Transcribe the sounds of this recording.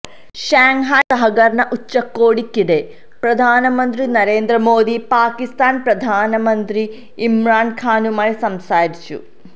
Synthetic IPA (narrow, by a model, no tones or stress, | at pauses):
ɕaːŋɦakɐɦɐɡɐrɳɐʔut͡ɕːɐkːoːɽikʲːiɽe | prɐd̪ʱaːnɐmɐnd̪rinɐɾeːnd̪ɾɐmoːd̪ipaːkist̪aːnprɐd̪ʱaːnɐmɐnd̪ri | imraːnkʰaːnumaːjsɐmsaːɾit͡ɕːṵ